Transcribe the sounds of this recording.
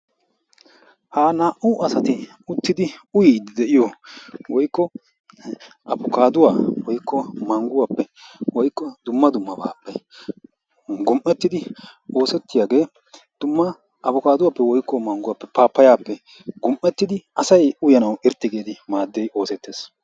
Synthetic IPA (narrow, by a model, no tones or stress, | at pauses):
haːnaːʔʊʔɐsɐt̪ɪ | ʊt̪ːɪd̪ɪʊjɪd̪ɛʔɪjɔwɔjkːɔ | ʔɐbʊkaːd̪ʊwaːwɔjkːɔmɐŋɡʊwaːpːɛ | wɔjkːɔd̪ʊmːɐd̪ʊmːɐba̰ːpːɛ | ɡʊmʔːɛt̪ːɪd̪ɪo̞ːsɛt̪ːɪjaːɡe̞ː | d̪̥ʊmːɐ | ʔɐbʊkaːd̪ʊwaːpːɛwɔjkːɔmɐŋɡʊwapːɛpaːpːɐjaːpːɛ | ɡʊmʔːɛt̪ːɪd̪ɪɐsɐjʊjɐnɐwɪɾt̪ːɪɡeːd̪ɪmaːd̪ːejo̞ːsɛt̪ːe̞ːs